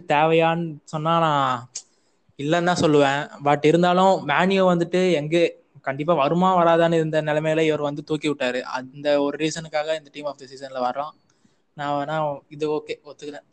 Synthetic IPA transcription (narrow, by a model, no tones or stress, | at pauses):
t̪eːʋɐjaːnɯsɔnːaːnãː | ɪlːɐnːãːsɔlːɯʋẽːʋɐʈːɪɾɯnd̪aːlʊ̃maːnɪjɐʋɐnd̪ɯʈːɯɛŋɡeː | kɐɳɖɪp̬ːaːʋɐɾɯmaːʋɐɾaːðaːnɯɪɾɯnd̪ɐnɪlɐmɐjlɐɪʋɐɾʋɐnd̪ɯt̪uːkiʋɪʈːaːɾɯʔɐ̰nd̪ɐɔɾɯɾiːsɐnɯkːaːɣɐɪnd̪ɐʈiːmaːfd̪ɪsisɐnɪlɐʋɐɾɐlãː | nãːɐnãːɪðɯoːkːeːɔt̪ːɯkːlɛ̃